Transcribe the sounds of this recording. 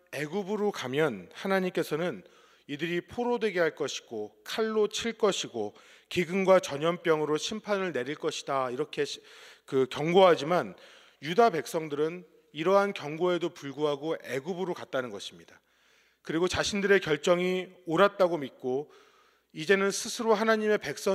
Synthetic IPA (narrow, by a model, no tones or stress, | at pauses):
e̞ɡubuɾokamjʌnhanaɲimk͈e̞sʰʌnɯn | idɯɾipʰoɾodwe̞ɡeɦaɭk͈ʌɕʰi̥ɡ̥okʰaɭːot͡ɕʰiɭk͈ʌɕʰiɡo | kiɡɯŋɡwat͡ɕʌɲʌmp͈jʌŋɯɾoɕʰimpʰanɯɭne̞ɾiɭk͈ʌɕʰi̥daiɾʌkʰe̞kɯkjʌŋɡoɦad͡ʑiman | judape̞k̚s͈ʌŋdɯɾɯn | iɾʌɦankjʌŋɡoe̞dopuɭɡuɦaɡoe̞ɡubɯɾokat̚t͈anɯnɡʌɕʰi̥mɲida | kɯɾiɡot͡ɕaɕʰindɯɾe̞kjʌɭt͡ɕ͈ʌŋioɾat̚t͈aɡomit̚k͈o | id͡ʑe̞nɯnsʰɯsʰɯɾoɦanaɲime̞pe̞k̚s͈ʌ